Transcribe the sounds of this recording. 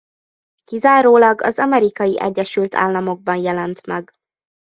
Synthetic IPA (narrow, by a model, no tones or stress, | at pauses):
kizaːɾoːlɒɡɒ̰zɒmɛɾikɒjiʔɛ̰ɟːɛʃylt̪ʰa̰ːlːɒmo̞ɡ̚bɒnjɛlɛnt̪mɛɡ